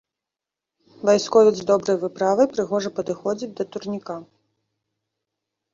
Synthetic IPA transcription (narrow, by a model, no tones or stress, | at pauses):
vajskɔvʲizʲd̪ɔbɾɐjvɨpɾavɐjpɾɨɣɔʐɐpɐd̪ɨxɔd͡zʲid̪ɐt̪urnʲika